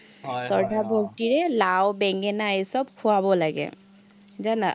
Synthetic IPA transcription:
sɔɹdʱabʱok̚tiɹɛlawbɛŋɡɛnaesɔb̚kʰuwabɔlaɡɛ̰ | zana̰

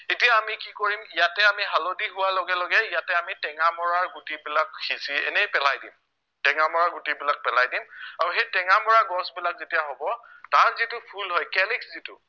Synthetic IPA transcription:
etijaːmikikoɹimijatɛamiɦalodiɦʊwalɔɡɛlɔɡɛijatɛamitɛŋamɔɹaɹɡutibilakxiziɛ̰nɛjpɛlajdim | tɛŋamɔɹaɹɡutibilak̚pɛlajdimaɹuxejtɛŋamɔɹaɡɔsbilak̚zetijaɦobɔtaɹzitʊpʰulɦɔjkɛlikszitʊ̰

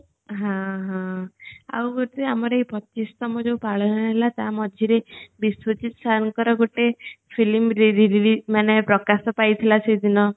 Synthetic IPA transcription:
ɦãɦãa̰wɡot̪iamɔɾejpɔt͡ʃist̪ɔmɔd͡ʒew̃paɭɔnɔelat̪amɔd͡ʒʱiɾebiswot͡ʃit̪ɔ̥saŋkɔɾɔɡoʈepʰilimɾiɾiɾilimanepɾɔkasɔpajt̪ʰilasejd̪inɔ

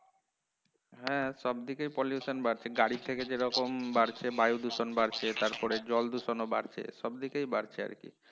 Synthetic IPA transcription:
ɦɛ̃ʃɔbd̪ikejpoljusonbaɾt͡ɕʰeɡaɽit̪ʰeked͡ʑeɾɔkombaɾt͡ɕʰebajud̪uʃonbaɾt͡ɕʰet̪aɾpɔɾed͡ʑɔld̪uʃonoba̰ɾt͡ɕʰḛʃɔbd̪ikejbaɾt͡ɕʰea̰ɾkḭ

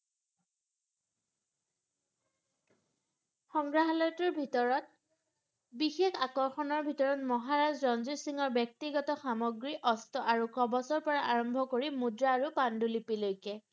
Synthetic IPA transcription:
xɔŋɡɹaɦalɔjtɔɹbʱitɔɹɔt̚ | bixexakɔɹxɔnɔɹbʱitɔɹɔtmɔɦaɹazɹɔnzusiŋɔɹbjɛk̚tiɡɔtɔxamɔɡɹiʔɔstɔʔaɹukɹɔbɔsɔɹpɔɹaʔaɹɔmbʱɔkoɹimudɹaːɹupandulipilojkɛ

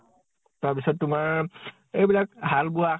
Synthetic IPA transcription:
taɹpisɔtːumaɹ | ejbilak̚ɦalbua

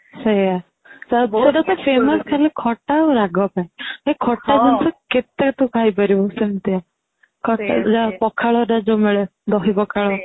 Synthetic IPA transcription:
səja | sabɔseɾat̪ɔpʰemɔskʰaɾlekʰɔʈaoɾaɡɔpaiɦekʰɔʈad͡ʒʱɔnsɔket̪at̪ukʰajbəɾibɔsemt̪ia | kʰɔʈa̰d͡ʒapɔkʰaɭɔɾad͡ʒomeɭed̪ɔɦipɔkʰaɭɔ

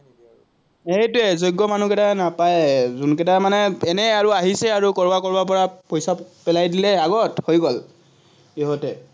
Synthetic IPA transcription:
ejtʊɛzojɡːɔmanukɛtanapajzunkɛtamanɛɛnɛaɹuaɦisɛaɹukɔɹbakɔɹbap̬ɔɹapojsapɛlajdilɛaɡɔthojɡɔl | eɦɔtɛ

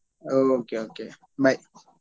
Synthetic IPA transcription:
ookeoke | bajʔ

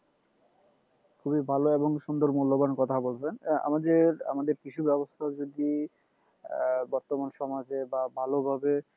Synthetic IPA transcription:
kʰubibʱaloeboŋʃund̪oɾmulːobankɔt̪ʰabolt͡ɕʰena̰mad̪eɾa̰mad̪eɾkit͡ɕʰubɛbost̪ʰad͡ʑod̪i | bɔɾt̪omanʃɔmad͡ʑebabʱalobʱabe

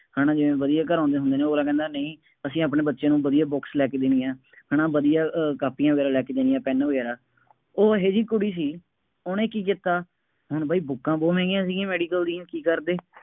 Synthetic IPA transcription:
haːnãːd͡ʒɪʋẽːʋəd̪ijaːk̬əɾãːnd̪eːɦʊnd̪eːneːoːɾaːkɛ̃ːnd̪aːnəĩː | əsĩːaːpnẽːbətːʃjãːnũːʋəd̪ijaːbɔːkslɛːkeːd̪eːniːãː | ɦaːnãːʋəd̪ijaːkaːpijãːʋəɡɛːɾaːlɛːkeːd̪eːnijãːpɛːnʋəɡɛːɾaː | oːɦeːd͡ʒiːkʊɽiːs̬iː | oːnẽːkiːk̬ɪt̪aː | ɦʊɳbaːiːbʊkːãːboːʋɛ̃ːɡjãːsiːɡĩːmɛːɖiːkəld̪iːnkiːkəɾd̪eː

